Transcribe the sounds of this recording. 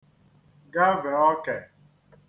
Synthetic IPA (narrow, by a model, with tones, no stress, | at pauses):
ɡa˦ve˨ɔ˦kɛ˨